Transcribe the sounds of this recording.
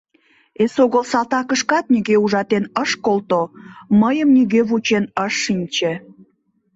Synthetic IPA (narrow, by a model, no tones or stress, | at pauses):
esoɣəlsɑlt̪ɑkəʃkɑt̪̚niɣeuʒɑt̪enəʃkolt̪oməjəmniɣeβut͡ɕenəʃːinʲt͡ɕe